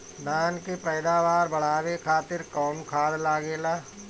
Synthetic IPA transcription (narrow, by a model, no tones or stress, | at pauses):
d̪aːnkepɛːd̪aːʋaːɾbɐɽ̤aːwekʰaːt̪ɪɾkɔːnkʰaːd̪laːɡeːlaː